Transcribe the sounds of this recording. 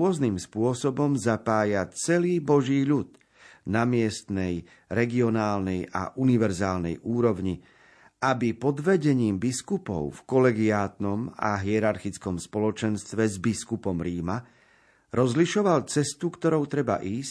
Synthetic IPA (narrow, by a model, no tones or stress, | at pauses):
ɔznimspʊɔsɔbɔmzapaːjat͡sɛliːbɔʒiːʎud̪ | namɪɛst̪nɛj | ɾɛɡiɔnaːlnɛja̰ʔuniʋɛɾzaːlnɛ̰jʔuːɾɔʋɲi | ʔabipɔd̪ʋɛɟɛɲiːmbiskupɔ̰ʊfkɔlɛɡiaːt̪nɔma̰ɦiɛɾaɾxit͡skɔmspɔlɔt͡ʃɛnst̪ʋɛzbiskupɔmɾiːma | ɾɔzliʃɔʋalt͡sɛst̪ukt̪ɔɾɔʊt̪ɾɛba̰ʔiːs